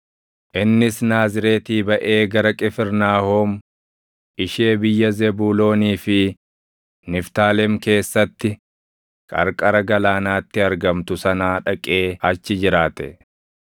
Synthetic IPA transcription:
ʔɪnːɪsnaːzɪɾe̞ːt̪iːbɐʔe̞ːɡɐɾɐkʼɪfɪɾnaːhoːm | ʔɪʃeːbɪjːɐzɛbuːlo̞ːniːfɪ | nɪft̪aːlɛmke̞ːsːɐt̪ːɪ | kʼɐ̰ɾkʼɐɾɐɡɐlaːnaːt̪ːɪɐɾɡɐmt̪ʊsɐnaːᶑɐkʼe̞ːɐt͡ʃːɪd͡ʒɪɾaːt̪ɛ̰

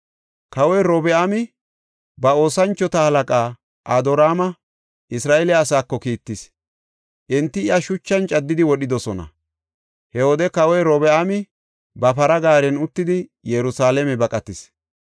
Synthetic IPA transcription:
kɐwɔjɾɔbɛamɪ | bɐo̞ːsɐnt͡ʃːɔt̪ɐhɐlɐkʼaː | ʔad̪ɔɾaːmɐ | ʔɪsɾaːʔɛlɪaːsaːkːɔkiːt̪ːɪs | ʔɪnt̪ːɪɪjɐʃʊt͡ʃːɐnt͡ʃʼɐd̪ːɪd̪ɪwɔɗɪd̪ɔsɔnɐ̰ | hɛwɔd̪ɛkɐwɔjɾɔbɛʔamɪ | bɐpɐɾɐɡaːɾɛnʊt̪ːɪd̪ɪjɛɾʊsaːlɛmɛbɐkʼɐt̪ɪs

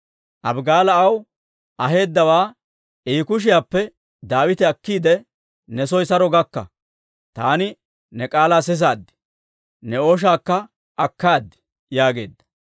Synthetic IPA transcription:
ʔɐbɡaːlɐɐw | ʔɐɦe̞ːd̪ːɐwaː | iːkʊʃ̬ɪjaːpːɛ | d̪aːwɪt̪ɪɐkːiːd̪ɛ | nɛsɔjsɐɾɔɡɐkːɐ̰ | t̪aːnɪ | nɛkʼaːlaːsɛs̬aːd̪ːɪ̥ | nɛoːʃ̬aːkːɐ | ʔɐkːaːd̪ːɪ̥ | jaːɡe̞ːd̪ːɐ̥

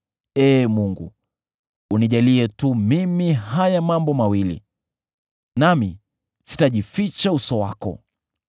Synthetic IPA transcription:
ɛːmuŋɡṵː | niʄaliɛtumimihajamambɔmawilḭ | nami | si̥taʄifit͡ʃausɔwa̰kɔ̰

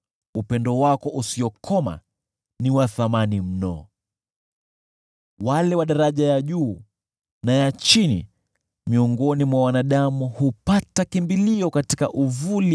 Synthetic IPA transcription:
upɛndɔwakɔʔusiɔkʰɔma̰ | niwaθamanim̩nɔ̰ | walɛwaɗaɾaʄajaʄuː | najat͡ʃinḭ | miɔŋɡɔnimwawanaɗamuhupatakimbiliɔkatikaʔuvuli

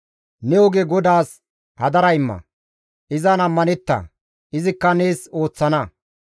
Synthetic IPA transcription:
nɛɔɡɛɡɔd̪aːs | hɐd̪ɐɾɐɪmːɐ̰ | ʔɪzanɐmːɐnɛt̪ːɐ̰ | ʔɪzɪkːɐne̞ːso̞ːt͡sːɐnɐ

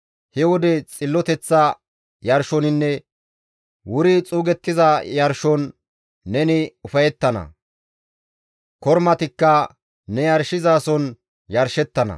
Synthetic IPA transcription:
hɛwɔd̪ɛt͡sʼɪlːɔt̪ɛt͡sːɐ | jɐɾʃɔnɪnːɛ | wʊɾɪt͡sʼuːɡɛt̪ːɪzɐjɐɾʃɔnː | ɛnɪʊfɐjɛt̪ːɐnɐ̰ | kɔɾmɐt̪ɪkːɐ | nɛjɐɾʃɪzaːsɔn | jɐɾʃɛt̪ːɐnɐ̰

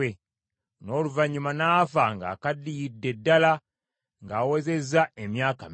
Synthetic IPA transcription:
e | no̞ːluvaɲːumanaːfaŋɡa̰ːkadːijidːe̞dːala | ŋɡaːweze̞zːaemjaːkam

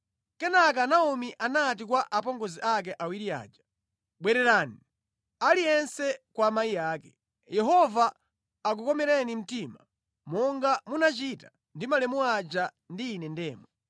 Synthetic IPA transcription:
kɛnak̬anaumiʔanat̬ikwaʔapɔŋɡɔziʔak̬ɛʔawiɾia̰ːd͡ʒḁ | ɓwɛɾɛɾaːni | alijɛnsɛkwamaijaːkɛ | jɛɦɔvaː | k̬ukɔmɛɾɛnim̩tima | mɔŋɡamunat͡ʃita | ndimalɛmuad͡ʒa | ndiːnɛndɛːmɔ

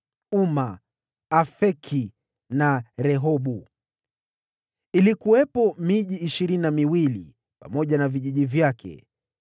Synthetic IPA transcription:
uma | afɛkʰi | naɾɛɦɔɓu | ilikuwɛpɔmiʄiːʃiɾinamiwilḭ | pa̰mɔʄanaviʄiʄivjakʰɛ̰

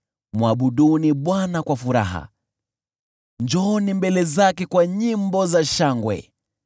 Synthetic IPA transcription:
muaɓuɗuniɓwanakwafuɾa̰ɦa̰ | ɲd͡ʒɔnimbɛlɛzakɛkwaɲimbɔzaʃaŋɡwɛ̰

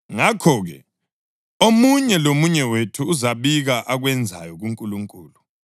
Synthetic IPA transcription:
ŋakʰɔɣɛ | omuɲɛlomuɲɛwetʰuːzaβiɣaʔaɣwɛnd͡zʱa̰jɔɣuŋkʼuluŋkʼuːlu

